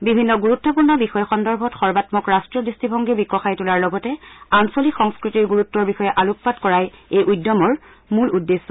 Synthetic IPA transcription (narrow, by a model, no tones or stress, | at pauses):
bibʱinːɔɡuɹutːɔpuɹnɔbixɔjɛxɔndɔɹbʱɔtxɔɹbatmɔkɹastɹɔdɹistibʱɔŋɡibikɔxajtulaɹlɔɡɔtɛansolixɔŋskɹitiɹɡuɹutːɔɹbixɔjɛʔaluppatkɔɹajejʔujdɔmɔɹ | muludːesːɔ